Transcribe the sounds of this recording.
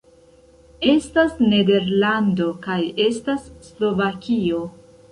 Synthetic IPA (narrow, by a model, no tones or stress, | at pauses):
e̞stasne̞de̞ɾlando̞kaje̞stasːlo̞vakio̞